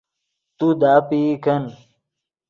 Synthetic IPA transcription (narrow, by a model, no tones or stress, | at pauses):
t̪ud̪aːpiːkɐn